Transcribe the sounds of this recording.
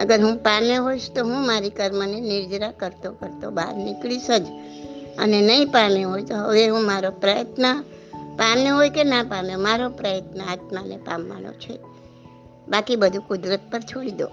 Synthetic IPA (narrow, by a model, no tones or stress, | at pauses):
əɡəɾɦũpameɦoit͡ʃʰt̪oɦũmaɾikəɾmənenɪɾd͡ʒɾakəɾt̪okəɾt̪obad̪nɪkɭiʃəd͡ʒ | ənenəĩpameɦojt̪oɦəʋeɦũmaɾopɾəjət̪nəpameɦojkenapamjomaɾopɾəjət̪nəat̪manḛpa̰mːa̰no̰t͡ʃʰe | bakibəd̪ʱũkʊd̪ɾət̪̚pəɾt͡ʃʰoɽid̪o̰